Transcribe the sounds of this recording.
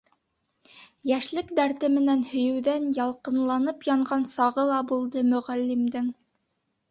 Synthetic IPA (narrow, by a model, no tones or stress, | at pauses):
jæʃlɘkd̪æɾt̪ɘmɘ̆nænhɵ̆jɵ̆wðænjɑlˠqɤ̆nlˠɑnɤpjɑɴɢɑnsɑʁɤlˠɑbulˠd̪ɤmɵ̆ʁælːimd̪ɘŋ